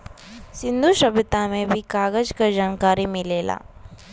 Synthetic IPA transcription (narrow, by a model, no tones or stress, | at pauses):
sɪ̃nd̪ʱuʃəbɪt̪amẽbʱikaːɡəd͡ʒkad͡ʒaːnkaːɾimɪleːla̰ː